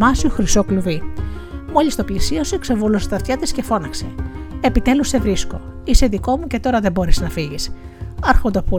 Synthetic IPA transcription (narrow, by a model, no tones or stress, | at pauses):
mɐsuxɾisokluvi | mo̞list̪o̞plisiɐsueksevoluset̪ɐt̪çɐt̪isce̞fo̞nɐkse̞̰epit̪e̞luse̞vɾisko̞̰ | ise̞ðiko̞muce̞t̪o̞ɾɐðe̞bo̞ɾeznɐfiʝis | ɐɾxond̪opo